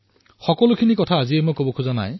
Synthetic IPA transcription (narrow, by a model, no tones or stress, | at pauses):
xɔkɔlukʰinikɔtʰaːziemojkobɔkʰuzana̰j